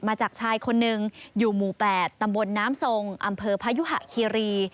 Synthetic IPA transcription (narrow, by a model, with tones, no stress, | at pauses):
maː˧t͡ɕaː˨˩k̚t͡ɕʰaː˧jkʰo˧nːɯ˨˩ŋjuː˨˩muː˨˩pɛː˨˩t̪ːa˧mbo˧nːaː˦˥mso˧ŋʔa˧mpʰɤː˧pʰa˦˥ju˦˥ɦa̰˨˩ʔkʰiː˧ɾiː˧